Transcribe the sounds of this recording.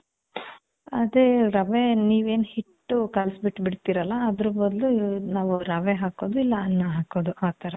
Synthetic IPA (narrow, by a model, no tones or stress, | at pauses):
ɐd̪eɾɐʋeniːʋeːnhiʈːukɐlsbiʈːbiɽt̪iːɾɐlːɐːd̪ɾubɐd̪lunaːʋuɾɐʋeɦaːko̞ːd̪uilːɐɐnːɐɦaːko̞ːd̪uʔaːt̪ɐɾɐ